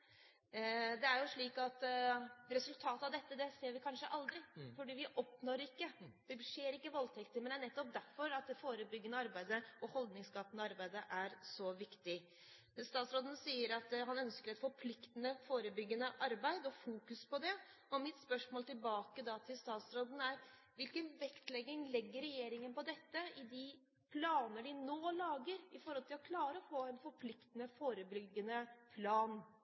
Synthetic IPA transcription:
d̪ɛæɾjʊʂɭiːkɑt̪ | ɾɛsʉlt̪ʰɑːt̪əɑʋd̪ɛt̪ːəd̪ɛseːɾʋɪkʰɑnʂəʔɑld̪ɾɪfɔɖiːʋɪʔɔpnɔɾɪkːəd̪̥ɛʂeːɾɪkːəʋɔlt̪ʰɛkt̪əɾmɛnæɳɛt̪ːɔp̚d̪æɾfɔɾɑt̪̚d̪ɛfoːɾəbʏɡːənəɑɾbæɪd̪əɔhɔld̪nɪŋskɑp̪ːənəɑɾbæɪd̪əʔæɾsɔʋɪkt̪ɪ | st̪ɑːt̪sɾoːd̪ən̩siːəɾɑt̪ɦɑnœnskəɾɛt̪fɔɾpʰlɪkt̪ənəfoːɾəbʏɡːənəʔɑɾbæɪd̪ɔfuːkʉspʰɔd̪ɛ | ɔmɪt̪spœʂmoːlt̪ɪlbɑːkəd̪ɑt̪ʰɪlst̪ɑːt̪sɾoːd̪n̩æɾ | ʋɪlkənʋɛkt̪lɛɡɪŋlɛɡːəɾɛjeːɾɪŋənpɔd̪ɛt̪ːəɪd̪ɪ | pʰlɑːnəɖɪnoːlɑːɡəɾɪfɔɾhɔlt̪ʰɪlɔkʰlɑːɾəɔfoːɛnfɔɾpʰlɪkt̪ənəfoːɾəbʏɡːənəpʰlɑːn

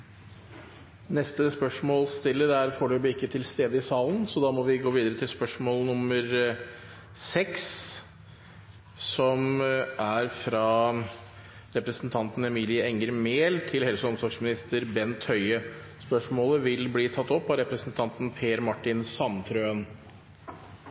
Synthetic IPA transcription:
nɛst̪əspœʂmoːlst̪ɪlːəɾæɾfoːɖʉblɪɪkːət̪ʰɪlst̪eːd̪əɪsɑːlənsɔd̪ɑːmɔʋɪɡoːʋiːd̪əɾət̪ʰɪlspœʂmoːlnʊmːəɾ | sɛks | ɔmæɾfɾɑ | ɾɛpɾəsnt̪ʰɑnt̪n̩ɛmiːlɪəɛŋːəɾmeːlt̪ʰɪlhɛlsəɔmsɔɾɡsmɪnɪst̪əɾbɛnt̪ʰhœʏəspœʂmoːləʋɪlbliːt̪ʰɑt̪ːɔpːɑɾɛpɾəsnt̪ʰɑnt̪n̩pʰeːɾmɑʈːɪnsɑnt̪ʰɾøːən

